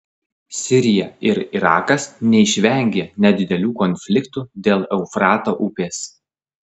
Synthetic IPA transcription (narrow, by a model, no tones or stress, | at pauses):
sʲɪɾʲɪjɛɪɾɪɾɑ̰ːkɐsnʲɛɪʃʲʋʲɛˑŋʲɡʲeːnʲɛd̪ʲɪd̪ʲɛlʲuːkɔnʲfʲlʲɪkt̪uːd̪ʲeːlˠɛʊfɾɑːt̪oːʔʊpʲeːs